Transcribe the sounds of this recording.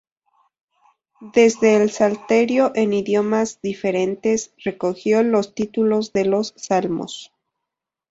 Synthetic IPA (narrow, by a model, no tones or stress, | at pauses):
d̪e̞zðe̞ːlsalt̪e̞ɾjo̞ʔe̞niðjo̞mazðife̞ɾe̞nt̪e̞sre̞ko̞xjo̞lo̞st̪it̪ulo̞zðe̞lo̞sːalmo̰s